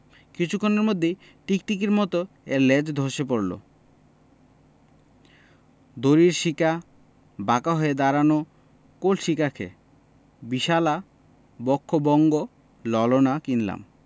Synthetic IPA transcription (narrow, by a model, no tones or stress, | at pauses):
kit͡ɕʰukʰːoneɾmod̪ʱːe | ʈikʈikeɾmɔt̪o | eɾled͡ʑd̪ʱoʃep̬oɾlo̰ | d̪oɾiɾʃika | bakaɦoed̪aɾano | kolʃikakʰḛ | biʃala | bɔkʰːobɔŋɡo | lɔlonakinla̰m